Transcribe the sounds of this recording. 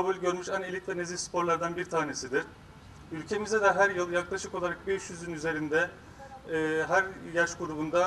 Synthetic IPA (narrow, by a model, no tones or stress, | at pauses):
abulʲɟø̞ɾmyʃanilʲic̪lʲɛnezifspʰo̞ɾlˠaɾd̪anbiɾt̪ʰaːne̞sid̪iɾ̥ | ylʲcʰe̞mizɛd̪ɛɦæɾjɯlˠjaklˠaʃɯko̞lˠaɾak̚beʃjyzynyze̞ɾind̪ɛː | ɦæɾjaʃkuɾubund̪a